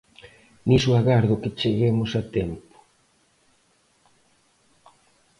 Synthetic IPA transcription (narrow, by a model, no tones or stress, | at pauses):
nisuaɣaɾðʊkɪt͡ʃeɣemʊsat̪ɛmpo̥